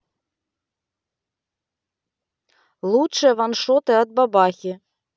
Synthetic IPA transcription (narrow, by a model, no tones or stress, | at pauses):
lˠuʂɨjɐvanʂɔt̪ɨɐd̪̚babaxʲi